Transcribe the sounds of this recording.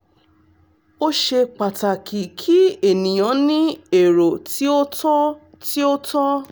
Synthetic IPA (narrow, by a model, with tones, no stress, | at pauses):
o˦ʃe˧k͡pa˨ta˨kʰi˨kʰi˦e˨nĩ˨j̃ɔ̃˨˦nĩ˦e˨ɾo˨ti˦o˦tɔ˦ | ti˦o˦tʰɔ˦